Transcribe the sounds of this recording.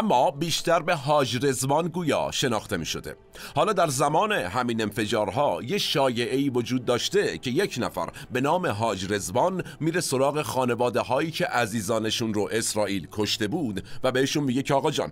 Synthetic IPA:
ʔæmːɒːbiːʃt̪æɾbe̞ɦɒːd͡ʒɾe̞zmɒːnɡuːjɒ̰ːʃe̞nɒːxt̪e̞mḭʃo̞d̪e̞̰ | hɒːlɒːd̪æɾzæmɒːne̞ɦæmiːne̞nfe̞d͡ʒɒːɾɦɒːjeʃɒːje̞ʔeiːvo̞d͡ʒuːd̪̚ːɒːʃt̪e̞cʰe̞je̞cʰnæ̰fæ̰ɾ | be̞nɒːme̞ɦɒːd͡ʒɾe̞zmɒnmiːɾeso̞ɾɒːɣe̞xɒːne̞vɒːd̪e̞ɦɒːiːcʰe̞ʔæziːzɒːneʃunɾoʔe̞sɾɒːʔiːlkʰo̞ʃt̪e̞buːd̪væbeheʃunmiːɟecʰːɣɒːd͡ʒɒ̰ːn

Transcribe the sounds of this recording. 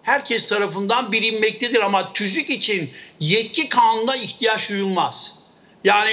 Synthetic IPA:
hæɾcʰɛst̪ʰaɾafɯnd̪anbiɾimmɛc̚t̪ʰed̪iɾamat̪ʰyzycit͡ʃʰinjɛt̪̚cʰikʰaːnund̪aiçt̪ʰijaʃujulˠmaz̥ | jaːni

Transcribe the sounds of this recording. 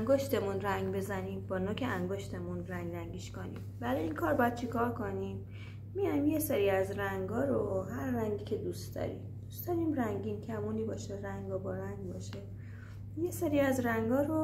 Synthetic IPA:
æŋɡoʃt̪e̞munræŋɡbe̞zæniːmbɒːnoːkʰeʔæŋɡoʃt̪ʰe̞munræŋɡɾæŋɟiːʃkonḭːmvæleiːnkʰɒːɾbɒːjæd̪̚t͡ʃʰikʰɒːɾkʰo̞nimː | ijamjeseɾiːæzræŋɡɒːɾoɦæɾːæŋɡicʰe̞d̪uːst̪d̪ɒ̰ːɾḭːmd̪̥ust̪d̪ɒːɾiːmræŋɟiːncʲʰæmuːniːbɒːʃeɾæŋɡɒbɒɾæŋɡbɒːʃe | jeseɾiːæzɾæŋɡɒːɾo

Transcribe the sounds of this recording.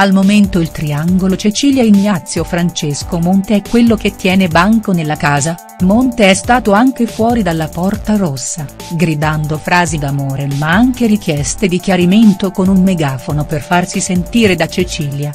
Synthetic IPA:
almoment̪oilt̪ɾiaŋɡolot͡ʃet͡ʃiljainːat̪sːjofɾant͡ʃeskomont̪eɛkːwelːok̟et̪ːjɛːnebaŋkonelːakaːza | mont̪eɛst̪aːt̪oaŋk̟efwɔːɾid̪alːapɔrt̪aɾosːa | ɡɾid̪and̪ofɾaːzid̪amoːɾemaaŋk̟eɾik̟jɛst̪ed̪ikjaɾiment̪okonummeɡaːfonoperfarsisent̪iːɾed̪at͡ʃet͡ʃiːlja

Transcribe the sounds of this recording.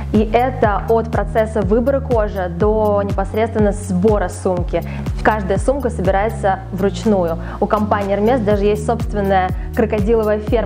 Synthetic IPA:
iʔɛt̪əot̪pɾɐt̪sɛsːəvɨbəɾəko̞ʐɨd̪o̞nʲɪpɐsɾʲet̪st̪vʲɪnːəzboɾəsumkʲɪ | kaʐd̪əjəsumkəsəbʲɪɾajɪt̪səvɾʊt͡ɕnujʊ | ʊkɐmpanʲɪjərmʲest̪d̪aʐɨjesʲtʲso̞pst̪vʲɪnːəjə | kɾəkɐdʲilˠəvəjəfʲer

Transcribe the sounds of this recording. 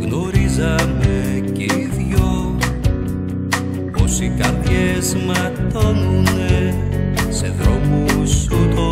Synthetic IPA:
ɣno̞ɾizɐme | ceiðʝo | posikɐɾðʝezmɐ | t̪onune | se̞ðɾomusut̪o

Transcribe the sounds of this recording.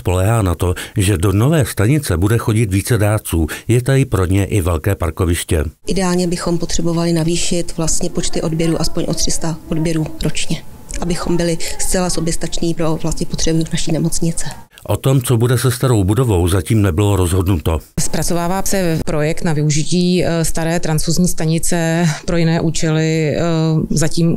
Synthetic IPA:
spo̞lɛːɦaːnat̪o̞ʒɛdo̞no̞vɛːst̪aɲɪt͡sɛbudɛxo̞ɟɪt̪viːt͡sɛdaːt͡suːjɛt̪aɪpɾo̞ɲɛʔɪvɛlkɛːpaɾko̞vɪʃcɛ̰ʔɪdɛaːlɲɛbɪxo̞mpot̪r̥ɛbo̞valɪnaviːʃɪt̪vlast̪ɲɛpo̞t͡ʃt̪ɪʔo̞dbjɛɾuːʔaspoɲʔo̞t̪r̝ɪst̪aʔodbjɛɾuːɾo̞t͡ʃɲɛ | ʔabɪxo̞mbɪlɪst͡sɛlaso̞bjɛst̪at͡ʃniːpɾovlast̪ɲɛpot̪r̝̥ɛbunaʃiːnɛmo̞t͡sɲɪt͡sɛ | ʔot̪o̞mt͡sobudɛsɛst̪aɾo̞wbudo̞vo̞wzaciːmnɛbɪloɾozɦodnut̪ospɾat͡so̞vaːvaːsɛpɾo̞jɛkt̪navɪuʒɪciːst̪aɾɛːt̪ɾant͡suzɲiːst̪aɲɪt͡sɛpɾo̞jɪnɛːʔuːt͡ʃɛlɪ | zaciːm

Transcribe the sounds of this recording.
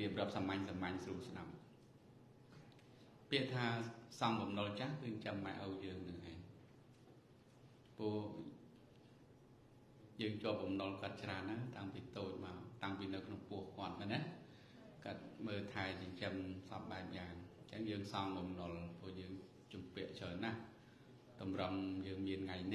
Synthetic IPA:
piəp̚rŏəp̚samaɲsamaɲsruəlsɗap̚ | piəʔt̪ʰaːsɑŋɓɑmnolt͡ɕahkɨːɲt͡ɕəmːaɛʔəwjəːŋnɨŋʔaː | poəh | jəːŋt͡ɕŏəp̚ɓɑmnolkŏət̪̚t͡ɕraənːaːt̪aŋpiːt̪oːc̚maɔt̪aŋpiːnɨwkʰnoŋpʊəhkŏət̪̚mənɛ̆əʔ | kat̪̚məːt̪ʰaɛt͡ɕɛɲt͡ɕəmsɑp̚ɓaɛp̚jaːŋɲt͡ɕəŋjəːŋsɑŋɓɑmnŏlpʊəhjəːŋ | t͡ɕumpiəʔt͡ɕʰəːnːah | t̪ɑmrəmjəːŋmiənŋajni

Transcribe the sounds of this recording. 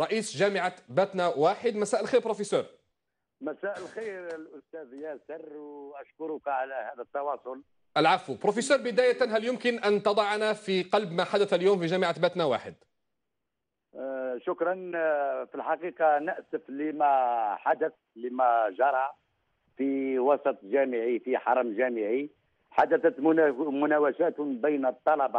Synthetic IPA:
ɾˤɑʔiːsʒæməʕabæt̪næwaːħəd̪mæsæːʔəlxiːɾpɾofesøɾ | mæsæʔəlxiɾlʔʊst̪æðjæsərˤwʔæʃkʊɾʊkʕalæhæd̪ət̪ːɑwɑsˤʊl | ʔælʕafupɾofesøːɾbəd̪æːjæt̪ænɦæljʊmkənʔænt̪ɑd̪ˤɑʕnæfiqɑlbmæħad̪æθæljuːmfiʒæːməʕabæt̪næwa̰ːħəd̪ | ʃʊkɾˤɑnfilħɑqiqɑnəʔsəflimæħad̪əθ | limæʒɑɾˤɑ | fiwɑsˤɑt̪ˤʒæməʕifiħɑɾˤmʒæməʕi | ħad̪əθæt̪mmʊnæwæʃæt̪bəjnt̪ˤːɑlɑbɑ

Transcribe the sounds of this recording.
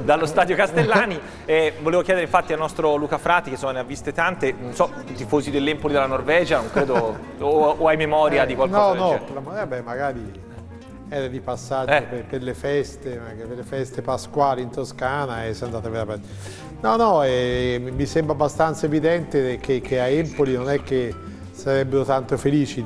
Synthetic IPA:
d̪alːost̪aːd̪jokast̪elːaːni | ɛvoleːvokjɛdeɾeĩɱfat̪ːialnɔst̪ɾoluːkafɾaːt̪ikesːomaneavːist̪et̪ant̪enonsɔ | t̪ifoːzid̪elːɛmpolid̪elːanorvɛːd͡ʒanoŋkɾeːd̪oː | ajmemɔːɾjad̪ikwalnɔnɔlamoɾabɛmːaɡaːɾi | ɛːɾad̪ipasːad͡ʒd͡ʒopeperlefɛst̪emakeperlefɛst̪epaskwaːliint̪oskaːnaɛsand̪aːt̪aveɾapɛ | nɔnɔɛmmisɛmbɾabːast̪ant̪saevid̪ɛnt̪ekʰekʰːeaɛmpolinonɛk̟ːe | saɾɛbːeɾot̪ant̪ofeliːt͡ʃi

